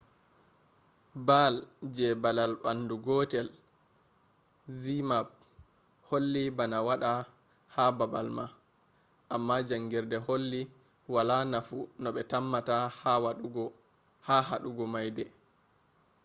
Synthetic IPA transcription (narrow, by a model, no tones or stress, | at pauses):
bald͡ʒɛbalalɓanduɡɔtɛl | zimab̚ | holːibanawaɗa | hababalma | ʔamːad͡ʒaŋɡiɾdɛholːi | walanafunɔɓɛtamːatahawauɡɔ | haɦaɗuɡɔmajdɛ